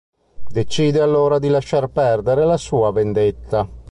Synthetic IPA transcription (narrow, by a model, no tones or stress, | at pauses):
d̪et͡ʃiːd̪ealːoːɾad̪ilaʃarpɛrd̪eɾelasuːavend̪et̪ːa